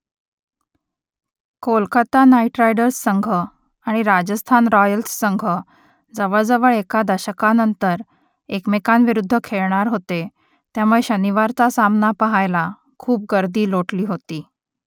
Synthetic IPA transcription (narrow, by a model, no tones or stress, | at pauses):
kolkət̪anaiʈɾajɖəɾsːəŋɡʱə | aɽ̃iɾad͡ʑəst̪ʰanɾɔjəlsːəŋɡʱə | d͡zəʋəɭd͡zəʋəɭekad̪əɕəkanənt̪əɾ | ekmekanʋiɾud̪ʱːəkʰeɭɳaɾɦot̪e | t̪jamueɕəniʋaɾt͡sasamnapəɦajla | kʰuːp̚ɡəɾd̪iːloʈliːɦot̪iː